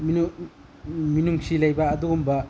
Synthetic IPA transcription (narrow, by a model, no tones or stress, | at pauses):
m | minuŋsilɐjbɐːduːmbɐ